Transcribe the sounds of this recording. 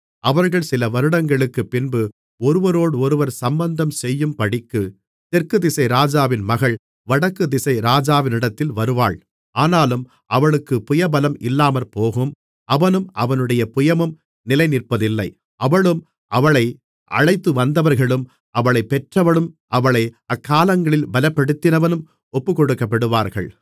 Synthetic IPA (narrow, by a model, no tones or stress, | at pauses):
ʔɐʋɐɾɣɐɭsɪlɐʋɐɾɯɽɐŋɡɐɭɯkːɯpːɪnbɯ | ɔɾɯʋɐɾoːɽɔɾɯʋɐɾsɐmbɐnd̪ɐmsɛjːɯmpɐɽɪkːɯ | t̪ɛɾkɯðɪsɐɪɾaːd͡ʒaːʋɪnmɐɣɐɭ | ʋɐɽɐkːɯd̪ɪsɐɪɾaːd͡ʒaːʋɪnɪɽɐt̪ːɪlʋɐɾɯʋa̰ːɭ | ʔaːnaːlɯm | ʔɐʋɐɭɯkːɯpʊjɐbɐlɐmɪlːaːmɐlpoːɣɯm | ʔɐʋɐnɯmʔɐʋɐnɯɽɐjɐpʊjɐmɯm | nɪlɐɪnɪrpːɐðɪlːɐɪ | ʔɐʋɐɭɯm | ʔɐʋɐɭɐɪ | ʔɐ̰ɻɐɪt̪ːɯʋɐnd̪ɐʋɐɾɣɐɭɯm | ʔɐʋɐɭɐɪpːɛʈrɐʋɐɭɯmʔɐʋɐɭɐɪɐkːaːlɐŋɡɐɭɪlbɐlɐpːɐɽɯt̪ːɪnɐʋɐnɯm | ɔpːɯkɔɽɯkːɐpːɐɽɯʋaːɾɣɐ̰ɭ